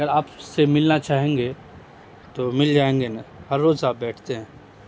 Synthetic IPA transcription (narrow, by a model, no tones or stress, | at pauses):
ɐɡəɾaːpsemɪlnat͡ʃaːɦẽːŋɡe | t̪omɪld͡ʒaːẽːŋɡenahɐɾːoːzaːp̚bɛːʈʰt̪eɦɛ̃ː